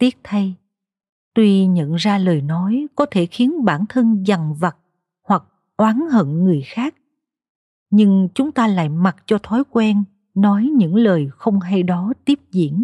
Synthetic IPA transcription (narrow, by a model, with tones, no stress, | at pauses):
t̪i˦˥ət̚t̪ʰa˧j | t̪wi˧ɲə̰˧˨nzaː˧ləː˨˩jnɔ˨˦jkɔ˨˦t̪ʰe˧˩xi˨˦ənɓaː˧˩nt̪ʰə˧nza˨˩ŋva˨˩t̚ | hwa˨˩k̚ | ʔwaː˨˦nhə̰˧˨nŋɨ˨˩əjxaː˦˥k̚ | ɲɨ˧ŋt͡ɕʊ˨˦ŋ͡mt̪aː˧la̰ː˧˨jma˨˩t̚t͡ɕɔ˧t̪ʰɔ˨˦jkwɛ˧nː | ɔ˨˦jɲɨ̰˧˥ŋləː˨˩jxə˧wŋ͡mɦa˧jɗɔ˨˦t̪i˦˥əp̚zḭ˧˨ən